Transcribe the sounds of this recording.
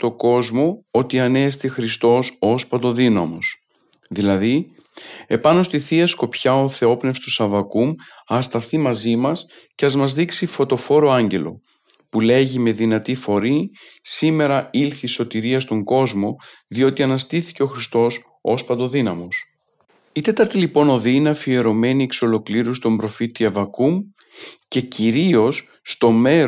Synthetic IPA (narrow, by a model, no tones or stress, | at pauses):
t̪o̞ɡo̞zmo̞o̞t̪iɐnest̪ixɾist̪o̞so̞spɐt̪o̞ðinɐ̰mo̞s | ðilɐði | e̞pɐno̞st̪iθiɐsko̞pçɐo̞θe̞o̞pne̞fst̪usɐvɐkumɐst̪ɐθimɐzimɐsce̞ɐzmɐzðiksifo̞t̪o̞fo̞ɾo̞ɐɲɟe̞lo̞̰ | pule̞ʝime̞ðinɐt̪ifo̞ɾisime̞ɾɐilθiso̞t̪iɾiɐst̪o̞ŋɡo̞zmo̞ | ðio̞t̪iɐnɐst̪iθi̥ce̞oxɾist̪o̞s | o̞spɐd̪o̞ðinɐmo̞s | it̪e̞t̪ɐɾt̪ilipo̞no̞ðinɐfie̞ɾo̞me̞niekso̞lo̞kliɾusi̥t̪o̞mbɾo̞fit̪iɐvɐkum | ce̞ciɾio̞sː | t̪o̞me̞